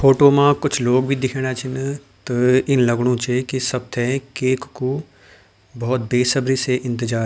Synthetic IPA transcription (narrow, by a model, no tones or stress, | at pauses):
foːʈoːmãkʊt͡ʃʰloːɡ̚bʱid̪ɪkʰẽːɽ̃at͡ʃʰɪnt̪ɐɪnlɐɡɽ̃õt͡ʃekisɐb̚t̪ʰɛkeːkku | bɔːt̪̚beːsɐbɾiseʔɪ̃nt̪ɪd͡ʒaːɾ